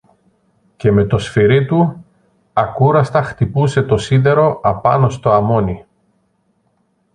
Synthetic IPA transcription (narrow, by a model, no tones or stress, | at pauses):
ce̞me̞t̪o̞sfiɾit̪u | ɐkuɾɐst̪ɐxt̪ipuse̞t̪o̞siðe̞ɾo̞ɐpɐ̰no̞st̪o̞ɐmo̞ni